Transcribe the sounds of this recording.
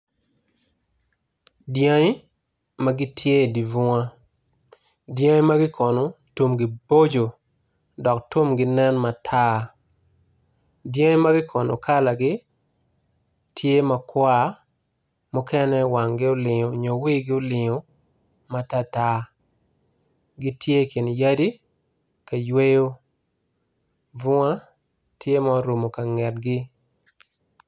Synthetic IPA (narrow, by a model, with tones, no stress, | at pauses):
djã˦ŋi˦ | ma˦ɡɪ˦tʰje˦˨di˨vʊ˦ŋa˦ | djã˦jma˦ɡɪ˦kʰɔ˨no˨tu˦mɡɪ˨bo˦d͡ʒo˨ | dɔ˨ktu˦mɡɪ˨nɛ˦nma˨tʰa˦ | djã˦ma˦ɡɪ˦kʰɔ˨no̰˨kʰa˦la˨ɡɪ˦ | tʰje˦ma˨kwa˦ | mʊ˦kɛ˦nɛ˦wa˨ŋɡɪ˦o˦lɪ˨ɲo˨ɲo˨wi˦ɡɪ˦o˦lɪ˨ŋo˨ | ma˦ta˦ta˦ | ɡɪ˦tje˦ki˨nja˦di˦ | ka˨jwe˦jo˦ | vʊ˦ŋa˦ | tʰje˦ma˦o˦ɾu˨mo˨ka˨ŋɛ˨t̚ɡɪ˦